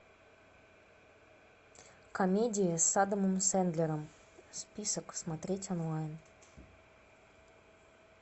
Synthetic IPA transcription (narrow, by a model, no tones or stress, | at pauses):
komʲedʲɪjəsad̪əmɨmsænd̪lʲeɾəm | spʲisəksmat̪ɾʲetʲonlˠajn